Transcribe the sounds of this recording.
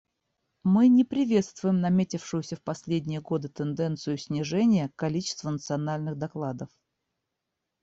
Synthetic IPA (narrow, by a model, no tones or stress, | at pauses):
mɨnʲɪpɾʲɪvʲe̞t̪st̪vʊjɪmnɐmʲetʲɪfʂɨjʊsʲəfpɐsʲlʲedʲnʲɪjəɡo̞d̪ɨt̪ɨnd̪ɛnt̪sɨjʊsʲnʲɪʐɛnʲɪjəkɐlʲit͡ɕɪ̥st̪vənət̪sɨɐnalʲnɨɣd̪ɐklˠad̪əf